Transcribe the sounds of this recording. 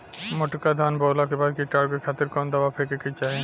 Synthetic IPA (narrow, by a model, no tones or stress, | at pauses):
moʈkad̪ʱanbɔːlakebaɾkiʈaɽkekʰat̪eɾkɔnd̪awapʰekeket͡ʃaɦe